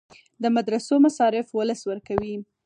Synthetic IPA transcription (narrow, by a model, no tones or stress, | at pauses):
d̪əmad̪ɾasomasɑɾɪfwʊləswəɾkawi